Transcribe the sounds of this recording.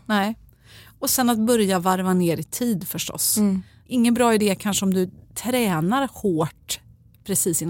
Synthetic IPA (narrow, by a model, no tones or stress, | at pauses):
nɛ | ɔsɛnːat̪̚bœɾjavaɾvaneːɾɪt̪ʰiːd̪fœʂʈɔ̰s | ɪŋːənbɾɑːɪd̪eːkʰanʂəɔmd̪ɵt̪ʰɾɛːnaɾhoːʈ | pʰɾɛsiːsɪnː